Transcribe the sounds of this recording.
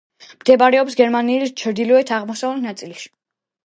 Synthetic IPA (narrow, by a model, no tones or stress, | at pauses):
md̪̥ɛbaɾɛɔpsɡɛɾmaniːlist͡ʃʰɾd̪ilɔɛt̪ʰaʁmɔsavlinat̪sʼiliʃi̥